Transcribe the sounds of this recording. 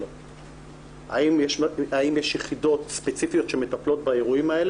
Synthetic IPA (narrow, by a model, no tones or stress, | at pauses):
o | a̰imjeʃaimjeʃjeχido̞t̪spet͡sifijo̞t̪ʃeme̞t̪aplo̞t̪baeʁuimael